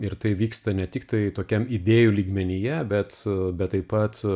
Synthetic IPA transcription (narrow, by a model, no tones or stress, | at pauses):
ɪɾt̪ɐɪʋʲiːkst̪ɐnʲɛt̪ʲɪkt̪ɐɪt̪oːkʲɛmɪd̪ʲeːjulʲiːɡmʲɛnʲɪjɛbʲɛt̪bʲɛt̪t̪ːɐɪpɐt̪